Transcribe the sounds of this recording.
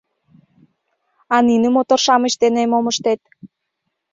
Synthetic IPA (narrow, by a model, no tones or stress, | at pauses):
ɑninə̆mot̪orʃɑməʃt̪enemoməʃt̪et̪̚